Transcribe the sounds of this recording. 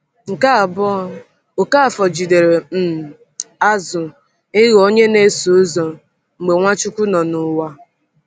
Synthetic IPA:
ŋ̩˨ka˦˨b | o˨ka˦a˨fɔ˨d͡ʒi˨de˨ɾe˨m̩˨ | a˦zʊ˨ | ɪ˦ɣo˦ɲe˦ne˦so˨˦zɔ˨ | ŋ͡m̩˨ɡ͡be˨ŋʷa˦t͡ʃʊ˦kʷʊ˦nɔ˨nʊ˨wa˦

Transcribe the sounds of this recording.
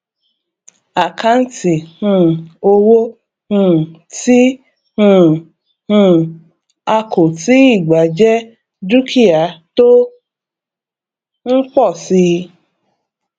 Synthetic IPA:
a˨ka˧n̩˦ti˨hũ˦˧˦o˧wo˦ | hũ˦˧˨ti˦ | hũ˦˧˨ | hũ˧ | a˧ko˨ti˦i˦˨ɡ͡ba˨d͡ʒɛ˦ | du˦kʰi˦a˨to˦ | ŋ̩˦k͡pɔ˦˨si˧

